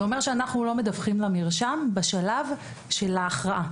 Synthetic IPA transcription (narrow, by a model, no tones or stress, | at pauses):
omeʁʃeanaχnulo̞medafχimlamiʁʃambaʃalav | ʃelaːχʁaʔa